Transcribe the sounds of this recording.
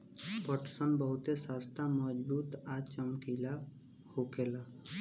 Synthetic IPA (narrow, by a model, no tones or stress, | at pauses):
pəʈsənbəɦʊt̪esaːst̪ʰamɔd͡ʒbuːt̪at͡ʃəmkila | hokeːlaː